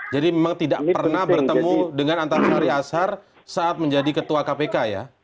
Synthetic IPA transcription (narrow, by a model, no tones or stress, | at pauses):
d͡ʒadimemaŋt̪idaʔpərnahbərt̪əmudəŋanant̪aɾanaɾiasar | saʔːt̪̚məɲd͡ʒadikət̪uakapekaja̰